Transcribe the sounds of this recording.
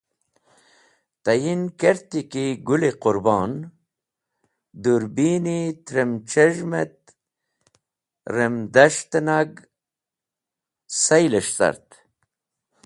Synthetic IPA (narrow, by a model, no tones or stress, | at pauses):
t̪ɐjinkeɾt̪ikiɡulequɾbɑːn | d̪uɾbiːnit̪ɾemt͡ʃeʒmḛt̪̚ | ɾemd̪ɐʂt̪naɡ | sɐjleʂsɐ̰ɾt̪